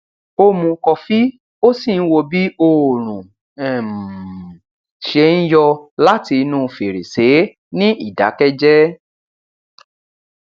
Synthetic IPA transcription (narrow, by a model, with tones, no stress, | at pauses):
o˧mũ˧kɔ˧fi˦ | o˦si˦˨n̩˦wo˧bi˦o˧˨ɾ̃ũ˨ | ɛ˨m˨ | ʃe˧n̩˦jɔ˧la˦ti˧nũː˦˧fe˨ɾe˨se˨˦ | nĩ˦ʔi˦˨da̰˨˦kɛ˦d͡ʒɛ˦